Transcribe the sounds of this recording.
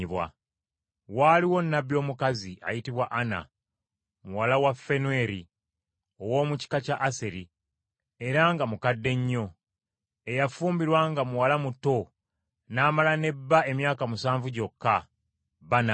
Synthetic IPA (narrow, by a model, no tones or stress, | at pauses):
βwa̰ | waliwo̞nːabjo̞ːmukaziʔa̰jitiβwaʔana̰ | muwalawafːe̞nue̞ɾi | o̞wo̞ːmuci̥kacaʔːse̞ɾi | e̞ɾaŋɡamukadːe̞ɲːo̞ | e̞jafuːmbiɾwaŋɡamuwalamuto̞ | naːmalane̞bːae̞mjaːkamusaːɱvuɟo̞kːa | bana